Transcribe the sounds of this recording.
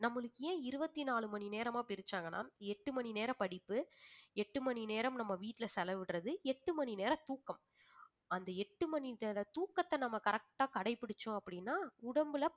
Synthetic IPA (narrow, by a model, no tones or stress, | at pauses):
nɐmːɐɭɯkːɯjẽːɪɾɯʋɐt̪ːinaːɭɯmɐɳineːɾɐmaːpɪɾɪt͡ʃːaːŋɡɐna̰ːɛʈːɯmɐɳineːɾɐpɐɽɪpːɯɛʈːɯmɐɳineːɾɐmnɐmːɐʋiːʈːɪlɐsɛlɐʋɪɽɾɐðɯɛʈːɯmɐnineːɾɐt̪uːkːɐm | ɐnd̪ɐɛʈːɯmɐniɐlɐt̪uːkːɐt̪ːɐnɐmːɐkɐɾɐk̚ʈaːkɐɽɐɪpːɪɽɯt͡ʃːʊ̃ɐpːɐɽɪnːaːʊɽɐmbɯlɐ